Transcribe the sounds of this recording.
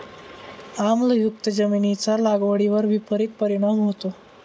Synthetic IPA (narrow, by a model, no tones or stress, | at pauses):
amləjuk̚t̪əd͡zəminit͡salaɡʋəɽiʋəɾʋipəɾik̪̚pəɾiɽ̃amɦot̪o